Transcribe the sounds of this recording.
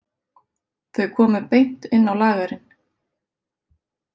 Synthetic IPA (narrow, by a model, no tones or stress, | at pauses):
θœɥkʰɔːmʏpejn̥t̪ɪnːawlaːɣaɾɪn